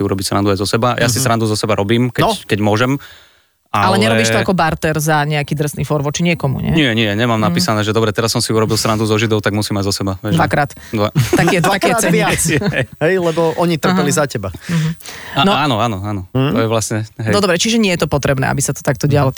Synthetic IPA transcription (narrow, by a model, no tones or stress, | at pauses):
siuɾɔbisɾand̪uajzɔsɛbajʔasisɾand̪uzɔsɛbaɾɔbiːmkɛkɛɟmʊɔʒɛm | aalɛɲɛɛɾɔbiːʃt̪ɔakɔbaɾt̪ɛɾzaɲɛakiːd̪r̩snifɔɾʋɔt͡ʃiɲɪɛkɔmṵɲɛ̰ɲɪɛɲɪɛɲɛmaːmnapiːsanɛːʒɛd̪ɔbɾɛt̪ɛɾasːɔmsiuɾɔbilˠsɾand̪uzɔʒid̪ɔʊt̪aɡmusiːmaɟzɔsɛbaʋɛdʒʋakɾaːt̪ | d̪ʋaakiɛakiɛɛaɦɛjlɛbɔʔɔɲit̪r̩pɛlizacɛbaɦ̩nɔaːnɔaːnɔaːnɔt̪ɔjɛʋlasɲɛɦɛɔd̪ɔbɾɛt͡ʃiʒɛɲɪɛjɛt̪ɔpɔt̪ɾɛbnɛ̰a̰bisat̪ɔ̥t̪ak̚t̪ɔɟɪalɔ